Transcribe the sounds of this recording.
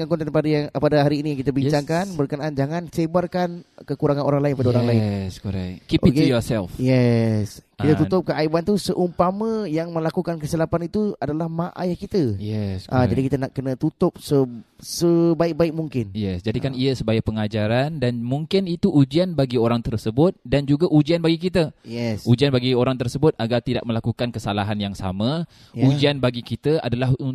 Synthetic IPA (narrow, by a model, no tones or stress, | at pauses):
ŋaŋkɔnt̪aipadajaŋpadaɦaɾiːnĩjaŋkit̪əbiɲt͡ʃaŋkanbərkənaʔand͡ʒaŋãnsebarkankəkuɾaŋanoɾaŋlaɪnpadaoɾaŋlaɪsko̰ɾɛ̰kkiʔokejɔsɛlfjɛskit̪at̪ut̪ʊp̚kəʔaibant̪usəʔumpamə̃jaŋmə̃lakukankəsilapanit̪uadalahmaʔa̰jahkit̪əjɛskad͡ʒadikit̪ənaʔkənə̃t̪ut̪ʊp̚səsəbaɪk̚baɪk̚muŋkɪnjɛsd͡ʒadikaniəsəbajapəŋad͡ʒaɾandanmuŋkɪnit̪uʔud͡ʒianbaɡioɾaŋt̪ərsəbʊt̪̚dand͡ʒuɡaʔud͡ʒianbaɡik̬it̪əjɛsud͡ʒianbaɡioɾaŋt̪ərsəbʊt̪̚aɡart̪ida̰ʔ̚mə̃lakukankəsalaɦanjaŋsa̰mã | ud͡ʒianbaɡikit̪əa̰dalah